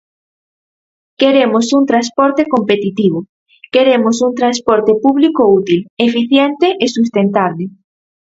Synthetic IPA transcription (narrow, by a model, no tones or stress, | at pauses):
keɾemosunt̪ɾanspɔɾt̪ekompet̪it̪iβ̞o | keɾemosunt̪ɾanspɔɾt̪epuβlikout̪ilefiθjent̪eʔesust̪ent̪aβle